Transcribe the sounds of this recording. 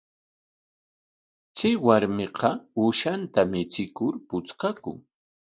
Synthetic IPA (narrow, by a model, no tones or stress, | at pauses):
t͡sɪwaɾmɪqʰɑʊʃant̪amɪt͡sɪkʊɾpʊt͡sqɑkʊ̰ŋ